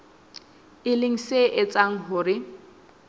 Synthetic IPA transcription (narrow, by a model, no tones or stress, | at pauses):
ɪlɪŋ̩seʔɪt͡sʼaŋ̩ɦʊɾɪ